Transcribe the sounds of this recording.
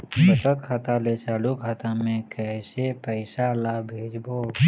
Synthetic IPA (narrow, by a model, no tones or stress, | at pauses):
sət̪ət̪kʰat̪alet͡ʃʰaːlukkʰat̪amẽkɛːsepəɪsalaːbʱeːd͡ʒboː